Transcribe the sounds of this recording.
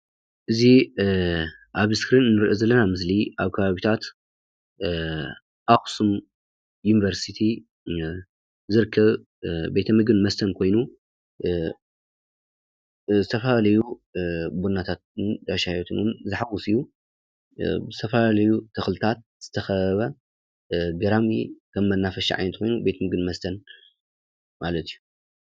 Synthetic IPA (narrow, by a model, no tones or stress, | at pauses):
ʔɨzi | ʔaβskɾinɨnːɨɾʔozɐlːɐnamɨs̬liʔaβkʰɐβaβit̪ʰat̪ | ʔaxsum | junivɐɾsit̪ʰi | zɨɾɨkʰːɐβ | be̞t̪ʰɐmɨɡɨnmɐst̪ʰɐnkʰo̞jnu | zɨt̪ʰɐfɐlalɐju | bunːat̪ʰat̪̚ɨnd̪aʃahjot̪ʰɨnumzɨħawusiju | bɨzɨt̪ʰɐfɐalɐjut̪ʰɨxlɨt̪ʰat̪̚ | z̥ɨt̪ʰɐxɐɐβɐ | ɡɐɾamikʰɐmmɐnːafɐʃḭʕa̰jnɐt̪̚kʰo̞jnube̞t̪ʰɐmɨɡɨnmɐst̪ʰɐn | malɐt̪ʰiju